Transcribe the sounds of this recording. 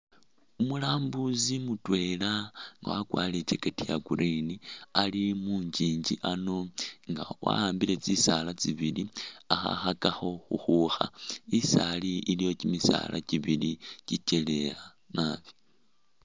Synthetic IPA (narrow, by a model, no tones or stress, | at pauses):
umulaːmbuzimutwe̞laŋɡa̰wakwaːlit͡se̞katiaɡuɾinialimuːɲd͡ʒiːɲd͡ʒiʔano̞ŋɡa̰wa̰aːmbile̞t͡sisalat͡siβiliaxa̰xakaxo̞xuxuxaisaliʔːlijo̞cimisa̰lʔa̰ciβilicice̞le̞a | naβi̥